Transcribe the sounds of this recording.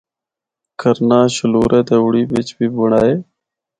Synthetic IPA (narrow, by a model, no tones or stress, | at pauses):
kʰəɾnaːʃəloːɾeːt̪eːʊɽiːʋɪt͡ʃbiːbəɳaːɦeː